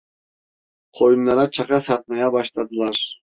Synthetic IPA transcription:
qʰojunːɑɾɑt͡ʃʰɑqɑsɑt̪̚mɑjɑbɑʃt̪ɑd̪ɯlˠɑɾ

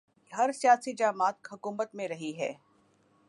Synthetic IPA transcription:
ɦɐɾsijaːsid͡ʒaːmaːt̪̚ɦʊkuːmət̪mẽɾɐɦiɦɛː

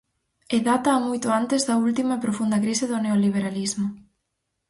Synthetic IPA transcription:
eðat̪ɐːmojt̪ʊant̪ɪzðɐult̪imɐepɾofund̪ɐkɾisɪðʊneoliβeɾalizmʊ

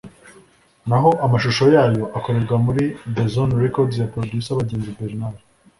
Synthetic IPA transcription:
naɦo̞ʔamaʃuʃo̞jaːjo̞ʔako̞ɾe̞ɾɡwamuɾidezonɾekoɾdzjapɾodjusaβaɟeːnzibeɾinaɾ

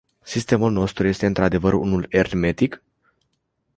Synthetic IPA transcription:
sist̪e̞mulno̞st̪ɾuje̞st̪e̞ɨnt̪ɾad̪e̞vəɾṵnule̞rme̞t̪ik

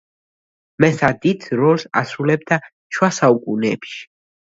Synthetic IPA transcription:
mɛsad̪id̪̥ʰɾɔlsa̰sɾulɛb̚d̪a | ʃwasaukʼunɛːpʃi̥

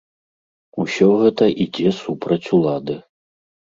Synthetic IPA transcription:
usʲɔɣɛt̪ɐʔid͡zʲɛsupɾɐt͡sʲulˠad̪ɨ

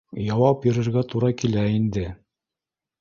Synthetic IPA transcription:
jɑwɑp̚jɤ̆ɾɘ̆ɾɡæt̪uɾɑkilæind̪ɘ

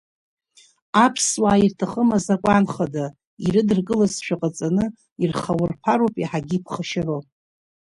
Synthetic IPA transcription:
apʰswaːirtʰaχəmazakʷʼanχada | iɾɨdɨrɡɨlazʃᶣaqʼat͡sʼanɨ | irχawʊrpʰaɾopʼiħaɡʲiːpʰχaʃaro

